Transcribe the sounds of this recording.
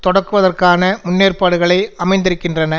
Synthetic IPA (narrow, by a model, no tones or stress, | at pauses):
t̪ɔɽɐrkːɯʋɐðɐrkaːnɐmʊnːeːrpaːɽɯɣɐɭɐɪɐmɐɪnd̪ɪɾɯkːɪndrɐnɐ